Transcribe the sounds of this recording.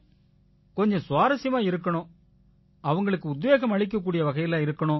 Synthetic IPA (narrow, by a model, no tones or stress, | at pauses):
kɔɲd͡ʒɔ̃sʊʋaːɾɐsɪjɐmaːɪɾɯkːɐɳʊ̃ | ɐʋɐŋɡɐɭɯkːɯʊd̪ʋeːɣɐmɐɭɪk̬ːɐk̬ːuːɽɪjɐʋɐɣɐjɪlãːɪɾɯkːɐɳʊ̃ː